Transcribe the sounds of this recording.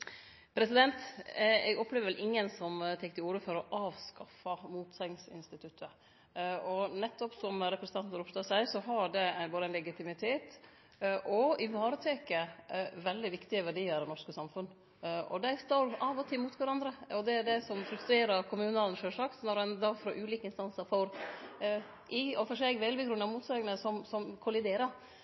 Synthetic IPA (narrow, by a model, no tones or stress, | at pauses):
pʰɾɛsɪd̪ɛnt̪ɛ̰ɡɔpːleːʋəʋɛlʔɪŋːənsɔmt̪ʰɛkt̪ʰɪuːɾəfɔɾɔʔɑːʋskɑfɑmuːt̪sɛɪŋsɪ̰nst̪ɪt̪ʰʉt̪ʰːə | ɔnɛt̪ːɔpsɔmɾɛpɾɛsət̪ɑnt̪nəɾɔpsloːsæɪsɔɦɑɖɛæboːd̪əæɪnɛɡɪt̪ɪmɪt̪ʰeːt̪ | ʔɔɪʋɑːɾət̪ʰeːkəʋɛld̪ɪʋɪkt̪ɪəʋæɖiːəɾɑʋnɔʂkəsɑmfʉnː | ʔɔ̰d̪ɛɪst̪ɑɾɑʋɔt̪ʰɪmuːt̪ʋæɾɑnd̪ɾəɔd̪ɛæɖɛsɔmfɾʉst̪ɾeːɾɑɾkʰʊmʉːnɑlənʂøːʂɑkt̪nɔɾɛnd̪ɑɡfɾoːʔʉːliːkəɪnst̪ɑnsəɾfɔɾ | ʔɪɔfɔʂɛɡʋɛɪlbəɡɾʉnːɑʋmuːt̪sɑːɡənəsɔmsɔmkʰʊlɪd̪eːɾəɾ